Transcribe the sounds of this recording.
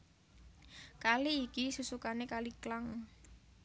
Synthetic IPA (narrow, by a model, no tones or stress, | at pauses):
kaliːkisusukanekaliklaŋ